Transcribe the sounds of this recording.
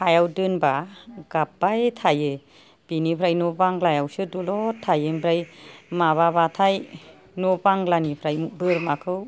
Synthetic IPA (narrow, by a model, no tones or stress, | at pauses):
hʰajawdɯnbaɡ̥ap̚ːajtʰajɯ | b̥inipʰɾajnɔbaŋlajawsɯdulɔtʰajɯmbʰɾajmaβabatʰaj | nɔbaŋlanipʰɾajbɯɾmakʰɯw